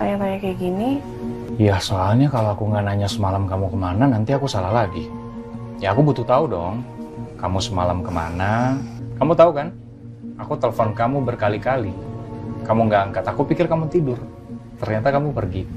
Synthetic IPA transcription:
t̪aɲat̪aɲakaɡini | jasoalɲakaloakuŋanaɲasəmalamkamukəmananant̪iakusalahlaɡi | jaːkubut̪ut̪audɔŋkamusəmalamkəma̰nakamut̪aukan | akut̪eləfɔnkamubərkalikali | kamuŋɡaːŋkat̪akupikɪrkamut̪idʊr | t̪ərɲat̪akamupərɡi

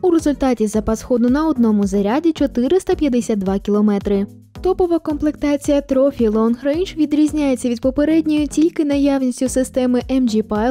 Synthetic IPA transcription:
uɾe̞zʊlʲt̪ɑtʲizɐpɐsxɔd̪ʊnɐɔd̪nɔmʊzɐɾʲadʲit͡ʃɔt̪ɪɾɪst̪ɐpʲjɐd̪esʲad̪̚d̪ʋɑkʲilˠɔmɛt̪ɾɪ | t̪ɔpɔʋɐkɔmplˠekt̪ɑt͡sʲijɐt̪ɾɔfʲilˠɔnxɾejnt͡ʃʋʲid̪ɾʲizʲnʲajet͡sʲːɐʋʲid̪̚pɔpe̞ɾɛdʲnʲɔjʊtʲilʲkɪnɐjawnʲisʲtʲʊsɪst̪ɛmɪʔɛmd͡ʒipa

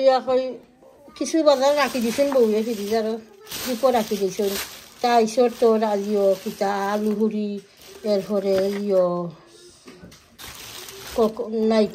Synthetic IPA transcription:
iakɔj | kisubadaɾakidisunbowjɛkidizaɾɔ | dipɔɾakidisɔntajsɔɾtɔɾaziɔkitaːluɦuɾi | ɛlɦɔɾɛziɔ | kɔknaj

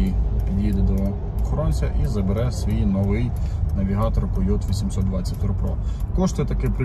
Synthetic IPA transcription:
id̪ʲid̪ɛd̪ɔ | ɔxɔɾɔnʲsʲɐʔizɐbeɾɛsʋʲijinɔʋɪjnɐʋʲiɦɑt̪ɔɾkɔjɔt̪ʋʲisʲimsɔt̪d̪ʋɑt͡sʲːɐtʲt̪ʊɾpɾɔkɔʃt̪ɛt̪ɐkɪp

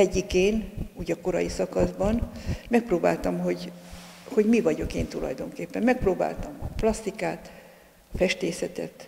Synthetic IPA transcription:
ɛɟːikeːnuːɟɒko̞ɾɒjisɒkɒzbɒnmɛk̚proːbaːlt̪ɒmɦo̞ɟ | ho̞ɟmivɒɟo̞keːnt̪ulɒ̰jd̪o̞ŋkeːpːɛmmɛk̚proːba̰ːlt̪ɒmɒplɒst̪ikaːt̪ | ɒfɛʃt̪eːsɛt̪ɛ̰t̪

